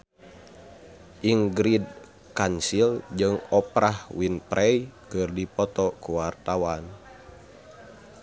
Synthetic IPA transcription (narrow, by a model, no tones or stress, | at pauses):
ʔiŋɡɾid̚ | kansild͡ʒɨŋɔpɾahwinpɾʔɛjkɨrdipɔt̪ɔkuwart̪awan